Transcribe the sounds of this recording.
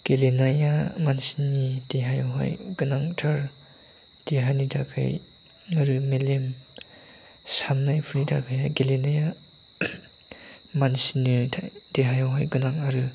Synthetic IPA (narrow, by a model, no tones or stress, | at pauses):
ɡ̥elenajamansinideɦajaɦa̰jɡɯnaŋtʰaɾ | d̥eɦanidakʰa̰jaɾɯmelem | samnajpʰɾida̰kʰajaɡelenaja | mansinɯad̥eɦajawɦajɡɯnaŋaɾɯ